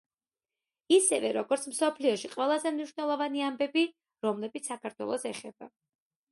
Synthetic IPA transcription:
isɛvɛɾɔɡɔɾt̪sʰmsɔpʰliɔʃiqʼwɛlˠazɛmniʃwnɛlˠɔvaniambɛbi | ɾɔmlɛbit̪ssakʰaɾt̪ʰwɛ̰lˠɔsɛχɛb̥a̰

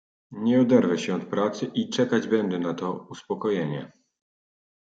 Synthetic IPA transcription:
ɲɛɔd̪ɛɾvɛɕɛɔt̪pɾat̪sɘʔit͡ʂɛkad͡ʑbɛnd̪ɛnat̪ɔuspɔkɔjeɲɛ̰

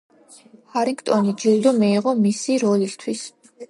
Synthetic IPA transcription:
haɾiŋkt̪ʼɔnid͡ʒild̪ɔmiːʁɔmisiɾɔlist̪ʰwis

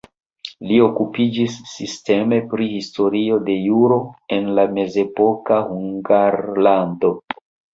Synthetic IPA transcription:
lio̞kupid͡ʒisːiste̞me̞pɾihisto̞ɾio̞de̞juɾo̞e̞nlame̞ze̞po̞kahuŋɡaɾlando̞

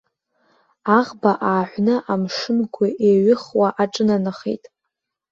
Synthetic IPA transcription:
aʁbaʔaːħʷnɨʔamʂɨmɡʷʊʔeɥɪχwaʔaʈ͡ʂʼɨnanɨχḛjtʼ

